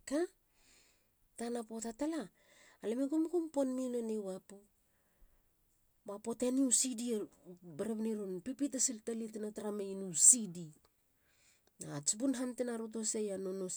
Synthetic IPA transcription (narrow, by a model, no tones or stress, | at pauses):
ka | tanapo̞tatalaː | lemeɡumɡumponminonewapu | bapo̞teniusidiebeɾeβniɾunpipitasiltalitenataɾamejnusidi | nat͡ʃibunɦantenaɾut̬osejanono